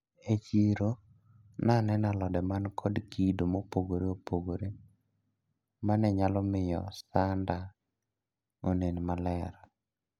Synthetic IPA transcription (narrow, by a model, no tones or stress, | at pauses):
et͡ʃiɾo | nanɛnalɔdɛmankʰɔdkidomopoɡoɾeopoɡoɾe | manɛɲalɔmɪjɔ̰sanda | onenmalɛɾ